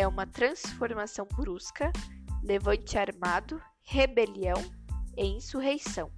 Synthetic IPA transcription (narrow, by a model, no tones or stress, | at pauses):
ɛũmɐt̪ɾɐ̃sfoɾmasɐ̃w̃bɾuskɐlevɐ̃nt͡ʃɪaɾmad̪ʊ | hebeliɐ̃w̃ẽĩsuɦejsɐ̃w̃